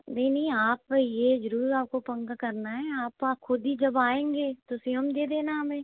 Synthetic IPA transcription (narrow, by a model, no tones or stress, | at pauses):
neinəːaːpjeːzəɾuːɾaːp̚kopə̃ŋɡkəɾnaɦɛːaːpːkʰʊd̪iːd͡ʒəbaːẽːŋɡeːt̪ʊsĩəmd̪eːd̪eːnaːbẽː